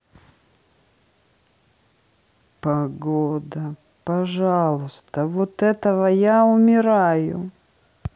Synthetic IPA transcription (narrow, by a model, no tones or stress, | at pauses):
pɐɡod̪ə | pɐʐalˠʊst̪əvot̪ɛt̪əvəjaʊmʲɪɾajʊ̰